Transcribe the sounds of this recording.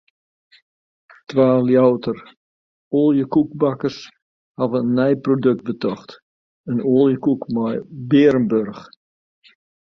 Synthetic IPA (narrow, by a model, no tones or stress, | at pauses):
tʋaːljawtər | oːlˠjəkuk̚bakəs | havənːɛjprodøk̚t̚bətɔxt | ənoːlˠjəkukmɔjbɪəɾənbørx